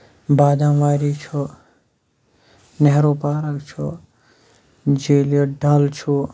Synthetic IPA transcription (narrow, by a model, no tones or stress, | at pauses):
baːd̪ãʋaːɾit͡ʃʰu | neɦɾopaːɾəkt͡ʃʰu | d͡ʒeljoɖalt͡ʃʰu